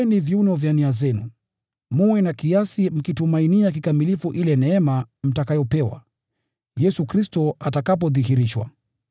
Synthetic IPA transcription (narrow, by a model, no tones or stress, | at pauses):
nivjunɔvjaniazɛnṵ | muwɛnakiasim̩kitumainiak̬ikamilifuʔilɛnɛɛmam̩takajɔpɛwa̰ | jɛsukɾistɔatakap̬ɔðihiɾiʃwa̰